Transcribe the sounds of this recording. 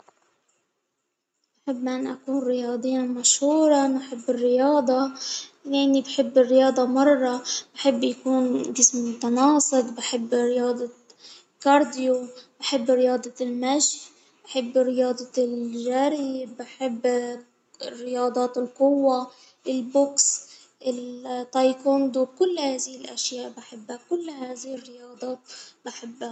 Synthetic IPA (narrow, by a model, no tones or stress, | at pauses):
baħɪbːʔanːʔakuːnɾɪjɑːd̪ˤijːnmaʃhuːɾˤɑbaħɪbːɪrːɪjɑːd̪ˤɑleʔɪnːibħɪbːɪrːɪjɑːd̪ˤɑmɑrˤːɑbħɪbːjakuːnd͡ʒɪsmʊt̪ɑnɑːsˤɨt̪ˤbɪħɪbːɾɪjɑːd̪ˤɑ | kɑɾˤd̪ɪjobaħɪbːɾɪjɑːd̪ˤɑlmaʃħ | baħɪbːrɪjɑːd̪ˤɑlʒaːɾibaħɪbː | rːɪjɑːd̪ˤɑːt̪ɪlqʊwːa | ʔɪlboks | ʔɪlt̪ˤːɑjkond̪ukʊlːhaːzɪhɪlʔaʃjaːʔbaħɪbːakʊlːhaːzɪhɪrːɪjɑːd̪ˤɑːt̪̚bɪħɪbːa